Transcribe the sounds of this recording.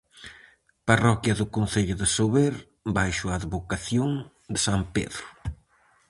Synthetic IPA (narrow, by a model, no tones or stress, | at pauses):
parɔkjɐðʊkon̟θeʎʊðesoβeɾ | bajʃʊaðβokaθjoŋ | d̪esampḛðɾʊ